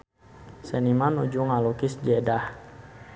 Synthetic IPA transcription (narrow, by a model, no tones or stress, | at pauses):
sɛnimanud͡ʒuŋalukisd͡ʒedah